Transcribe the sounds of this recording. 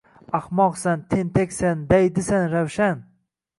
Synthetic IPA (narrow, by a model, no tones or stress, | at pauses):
ahmɒqsant̪ʰent̪ʰakʲsand̪ajd̪ɪsanɾawʃan